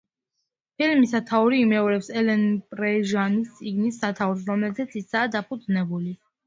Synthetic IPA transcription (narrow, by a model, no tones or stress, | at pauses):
pʰilmisat̪ʰauɾiːmɛɔɾɛpsɛlɛnpʼɾɛʒanist̪sʼiɡnisːat̪ʰauɾs̬ɾɔmlɛzɛt̪sʰisaːd̪apʰud̪znɛbuli